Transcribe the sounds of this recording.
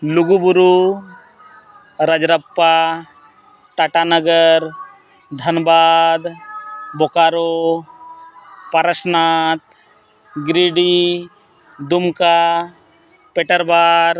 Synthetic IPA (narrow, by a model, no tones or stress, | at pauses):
luɡubuɾu | ɾəd͡ʒɾəpːa | ʈaʈanəɡəɾ | d̪ʱənbaːd̪bokaɾo | pəɾəsnaːt̪̚ | ɡɾiɖi | d̪umka | peʈəɾbaːɾ